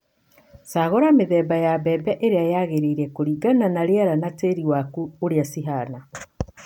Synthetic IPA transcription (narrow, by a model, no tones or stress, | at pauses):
saɣoɾameðɛːbajabɛbɛʔeɾeajaɣeɾeiɾɛkoɾiɡananaɾeaɾanateɾiwakuoɾeasiɦana